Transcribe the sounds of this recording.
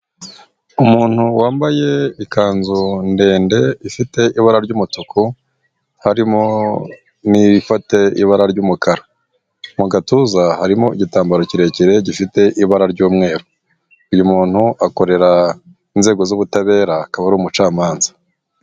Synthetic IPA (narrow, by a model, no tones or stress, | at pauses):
umuːn̥huwaːmbaje̞ikaːnzunde̞ːnde̞ifite̞iβaɾaɾɟuːmutuku | haɾimo̞ | nifate̞ḭβaɾaɾɟuːmukaɾa | muɡatuzahaɾimo̞iɟitaːmbaɾo̞ciɾe̞ciɾe̞ɟifite̞ʔiβaɾaɾɟuːmŋe̞ːɾo | ujumuːn̥huʔako̞ɾe̞ɾa | inze̞ːɡo̞zuβutaβe̞ːɾaːkaβaɾuːmut͡ʃaːmaːnzḁ